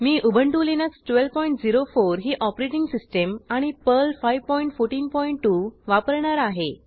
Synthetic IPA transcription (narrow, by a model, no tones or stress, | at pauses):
miːʔubʱəɳʈuːlinəksʈʋelʋpɔiɳʈd͡ziɾofoɾɦiːʔɔpɾeʈiŋɡsisʈəmaɽ̃ipəlfajʋpɔiɳʈfoɾʈiːnpɔiɳʈːuʋapəɾɳaɾaɦe